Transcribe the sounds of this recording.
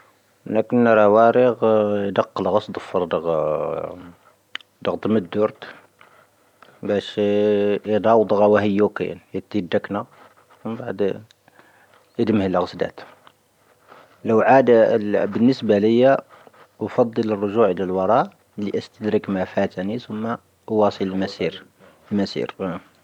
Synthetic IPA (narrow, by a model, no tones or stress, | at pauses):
lækənɾˤɑwæɾəɣjd̪ɑqːəlɣɑsˤd̪ˤfɑɾˤd̪əɣ | d̪əɣd̪əməd̪ːuɾt̪ | bæʃ | d̪ˤɑwd̪ˤɣɑwæhəjːukḭjə̰njət̪ːid̪ːəknæ | wəmbaʕd̪ | əd̪əmhələɣəsd̪æ̰t̪ | ləwʕad̪bənːəsbæləjːæ | fɑd̪ˤːələrˤːoʒuʕəlælwɑɾˤɑʔ | liʔəst̪əd̪ɾəkmæfæt̪ænisʊmːa | ʔwɑsˤələlmæsiɾ | lmæsḭɾ